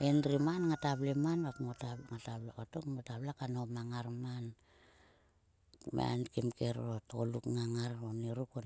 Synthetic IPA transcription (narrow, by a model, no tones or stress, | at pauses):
enɾimanŋatablemanβakmotaŋatablakotokmotablakanomaŋaɾman | m̰a̰nkimkeɾotolukŋaŋaɾoneɾuko